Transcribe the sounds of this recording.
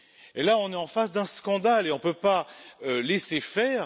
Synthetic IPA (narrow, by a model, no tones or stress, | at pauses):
elaɔ̃nɛɑ̃fasd̪ɛ̃skɑ̃d̪aleɔ̃pøpaølɛsefɛːʁ